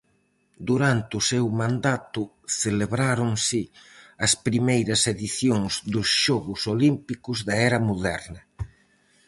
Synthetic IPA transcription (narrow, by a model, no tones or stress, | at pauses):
d̪uɾant̪ɪʊsewmãnd̪at̪ʊ | θeleβɾaɾʊŋsɪɐspɾimejɾɐseðiθjoŋzðʊsʃɔɣʊsolimpikʊzðɐɛɾɐmoðɛ̰ɾnɐ